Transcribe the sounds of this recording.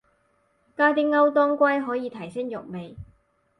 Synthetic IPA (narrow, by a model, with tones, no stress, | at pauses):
kaː˥t̪̬i˥ŋːɐ˥wt̪ɔː˥ŋkʷɐ˥jɦɔː˨˥jiː˨˧t̪ʰɐ˨˩jsɪ˥ŋjʊ˨k̚me˨˩j